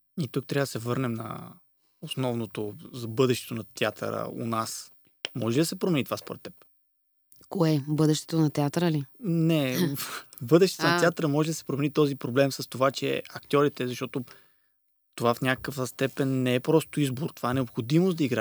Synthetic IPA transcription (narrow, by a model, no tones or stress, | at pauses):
it̪ukt̪ɾʲavəd̪ɐsɛvɤɾnɛmnɐ̰ | osnɔvnot̪ozɐbɤd̪ɛʃt̪ɛ̥t̪onɐt̪ʲɛat̪ʰə̰ɾə̰o̰nas | mɔʒɛlʲid̪ɐəsɛpɾomɛnit̪ovaspoɾɛt̪ːɛp | koɛbɤd̪ɛʃt̪ɛ̥t̪onɐt̪ɛat̪əɾəlinɛ | bɤd̪ɛʃt̪ɛ̥t̪onɐt̪ɛat̪əɾəmɔʒɛlid̪ɐsɛ̥pɾomɛnit̪ɔzipɾoblɛmsɐst̪ovat͡ʃɛ̰ɐkt̪ʲjɔɾit̪ɛzɐʃt̪ɔt̪o | t̪ovafnʲakəkəvəst̪ɛpɛnːɛɛpɾɔst̪oizboɾt̪ovaɛnɛopxod̪imosd̪ɐiɡɾa